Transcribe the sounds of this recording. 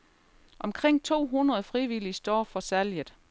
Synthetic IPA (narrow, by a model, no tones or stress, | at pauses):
ʔɒ̽mkʰʁeŋ̰t͡sʰo̝̰ːɦunʁɐð̞̩ˠfʁiʋilisd̥ɒ̰ːfɒ̽sæljəð̩ˠ